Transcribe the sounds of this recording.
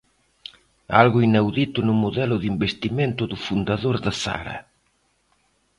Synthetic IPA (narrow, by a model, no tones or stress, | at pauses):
a̰lɣʊinawðit̪ʊnʊmoðɛlʊðimbest̪iment̪ʊðʊfund̪aðoɾðasa̰ɾɐ̰